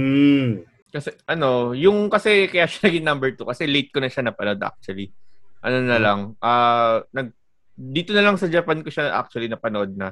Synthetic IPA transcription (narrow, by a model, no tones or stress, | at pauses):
kɐsɛʔɐno̞jʊŋkɐsɛkɐjaːʃḁnɐɡɪŋnɐmbɛɹt̪ukɐsɛlejt̪̚konɐʃanɐpɐnoʔod̪ʔa̰k̚t͡ʃʊɐliʔɐno̞nɐlɐŋʔaːnɐɡ̚ | d̪iːt̪onɐlɐŋsɐd͡ʒɐpankoʃaʔa̰k̚t͡ʃʊɐlinɐpɐnoʔo̞d̪̚nɐ